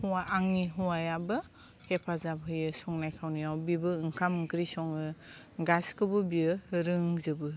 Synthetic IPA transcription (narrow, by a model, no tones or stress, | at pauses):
hɔwaaŋniɦɔwajabɯ | hepʰazabɦɯjɯsɔŋnajkʰawnijawbibɯɯŋkʰamŋkɾisɔŋɯ | ɡaskɯbɯbiɯɾɯŋzɯbɯ